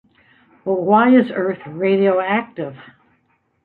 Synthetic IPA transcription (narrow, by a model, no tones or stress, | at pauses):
wɛlˠwaɪɨzɜ˞θɹeɪɾioʊæk̚tɪv̥